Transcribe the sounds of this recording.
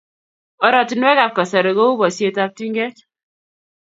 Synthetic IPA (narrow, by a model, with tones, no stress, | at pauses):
ɔ˨ɾɔ˨ti˦nwɛ˦ka˨p̚ka˨sa˨ɾe˨ɡo˦u˦bɔ˨sje˦ta˦p̚ti˦ŋɡɛ˦t